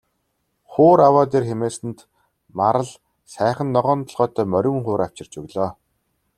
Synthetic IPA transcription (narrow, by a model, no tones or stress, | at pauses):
χoːɾawaːt̪̬eːrxemeːsɘ̆nt̪ | maɾə̆ɮ | sæːχə̆nːɔʁɔːnt̪ʰɔ̆ɮʁɔːt̪ʰœːmœɾʲɪ̆ŋχʊːɾaw̥t͡ɕɪ̆r̥t͡ɕɵɣɮɔː